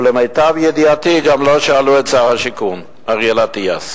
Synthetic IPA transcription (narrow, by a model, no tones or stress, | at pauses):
lemejt̪avjed̪iat̪iɡamloʃaaluett͡saʁhaʃikun | aʁjelat̪ias